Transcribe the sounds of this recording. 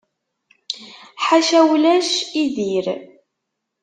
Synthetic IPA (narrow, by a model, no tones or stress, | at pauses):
ħaʃæwlæʃiðiɾ